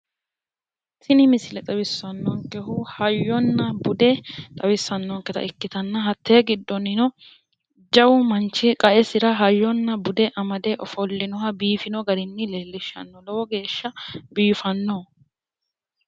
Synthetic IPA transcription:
t̪ʰɪnɪmɪsɪlɛt̪ʼɐwɪsːɐnːɔŋkːɛhʊhɐjːɔnːɐbʊd̪ɛt̪ʼɐwɪsːɐnːɔŋkːɛt̪ɐ̰ʔɪkːɪt̪ɐnːɐɦɐt̪ʰːeːɡɪd̪ːɔnɪnɔ | d͡ʒɐwʊmɐnt͡ʃːɪkʼɐʔɛsɪɾɐɦɐjːɔnːɐbʊd̪ɛʔɐmɐd̪ɛʔɔfɔlːɪnɔɦɐbiːfɪnɔɡɐɾɪnːɪlelːɪʃːɐ̰nːɔlɔwɔɡe̞ːʃːɐbiːfɐnːo

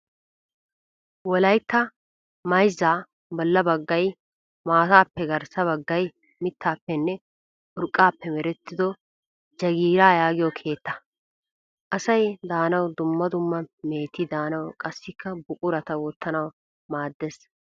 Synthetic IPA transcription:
wɔlɐjt̪ːɐ | mɐjzːaː | bɔlːɐbɐɡːɐj | maːt̪aːpːɛɡɐɾsɐβɐɡːɐj | mɪt̪ʰːaːpːɛnːɛ | ʔʊɾkʼːaːpːɛmɛɾɛt̪ːɪd̪ɔ | d͡ʒɐɡiːɾaːjaːɡɪjɔkʰe̞ːt̪ːɐ̥ | ʔɐsɐjd̪aːnɐwd̪ʊmːɐd̪ʊmːɐmeːt̪ːɪd̪aːnɐwkʼɐsːɪkʰːɐbʊkʼʊɾɐt̪ɐwɔt̪ːɐnɐw | maːd̪ːeːs

